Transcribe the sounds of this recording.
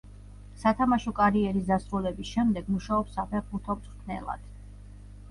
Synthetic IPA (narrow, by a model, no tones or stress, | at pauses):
sat̪ʰamaʃɔkʼaɾiɛɾisd̪asɾulɛbisʃɛmd̪ɛɡmuʃaɔpsapʰɛʁbuɾt̪ʰɔmt̪ʼt̪ʰnɛ̰lˠa̰d̪̥